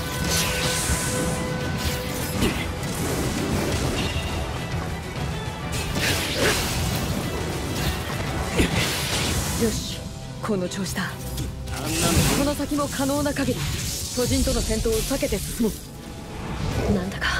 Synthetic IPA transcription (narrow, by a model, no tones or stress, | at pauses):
joːɕ | kʰo̞nːo̞t͡ɕo̞ːɕi̥t̪a | ko̞no̞sakʲimo̞kʰano̞ːnakaɡeɾʲiso̞ʑĩnt̪o̞nosent̪o̞ːsake̞t̪esɨ̥sɨmɯ | nãnd̪akḁ